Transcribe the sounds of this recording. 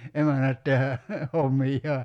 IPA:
emænæt tehæ homːijːɑː

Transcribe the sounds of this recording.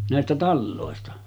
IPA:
næˑestæ tɑlːoˑestɑ

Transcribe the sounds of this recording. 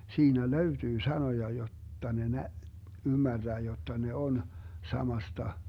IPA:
siːnæ løytyː sɑnojɑ jotːɑ ne næ ymːærd̥æː jotːɑ ne on sɑmɑstɑ

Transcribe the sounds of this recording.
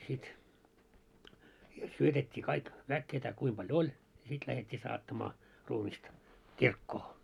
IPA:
sit siel syøtetʲːiː kɑik ʋæk ketæ kuim pɑljo olʲ jɑ sit læhetʲːiː sɑːtːɑmɑː ruːmistɑ kirkːoː

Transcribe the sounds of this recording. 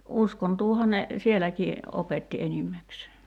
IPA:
uskontuːhɑ ne sielækiː opetːi enimːækseː

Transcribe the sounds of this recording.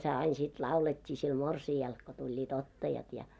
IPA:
se ɑin sit lɑuletʲːiː sil morsiɑl ko tulʲːiːt otːɑjɑt jɑ

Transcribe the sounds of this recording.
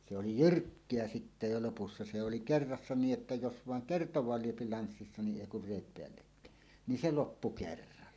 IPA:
se oli jyrkːeæ sitːe jo lopusːɑ se se oli kerːɑsːɑ niːʔ ʔetːæ jos ʋɑˑeŋ kertowˑɑːl lyøpi lɑnsːisːɑ ni ʔeˑi kur reˑit peælːekːæˑen ni se lopːu kerːɑlːɑ

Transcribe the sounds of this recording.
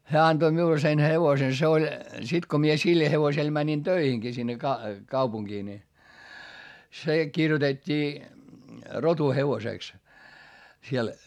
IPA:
hæː ɑntoi miul sen heʋosen se olʲ sit ko mie sil heʋosel mænin tøiheŋkiː sinːe kɑ kɑupuŋkiː ni se kirjotetʲːiː rotuheʋoseˑks siel

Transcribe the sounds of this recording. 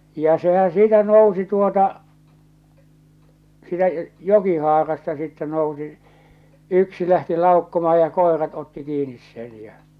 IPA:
jɑ sehæn̞ siːtæ nousi tuotɑ siːtæ jokihɑːrɑstɑ sitːɛ nousi yksi læhti lɑˑokːomɑhɑ jɑ koˑerɑt otːi kiːnis sen jɑ

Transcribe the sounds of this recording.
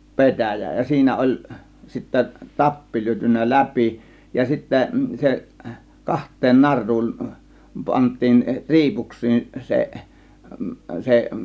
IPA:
pe̞tæˑjæ jɑ siːnæ olʲ sitːæ tɑpːi lyøtynːæ læpi jɑ sitːæ se kɑhtˑeːn nɑrˑuːn pɑntˑiːn ri̞ipuksˑiːn se se

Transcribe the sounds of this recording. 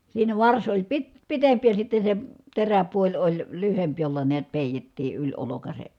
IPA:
siːnæ ʋɑrs olʲ pit pitempi jɑ sitːe se teræpuolʲ olʲ lyhemp jolːɑ niæt peˑitetːiː ylʲ olokɑsek

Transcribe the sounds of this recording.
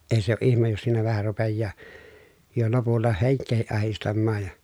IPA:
eĭ se o ʔihmej jos siːnæ ʋæhæ rupejːɑː jo lopulːɑ heŋkˑeːhiʔ ʔɑhistɑmːɑːj jɑ

